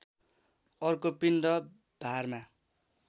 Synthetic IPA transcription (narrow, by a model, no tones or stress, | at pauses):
ʌrkopinrʌ | b̥ʱarma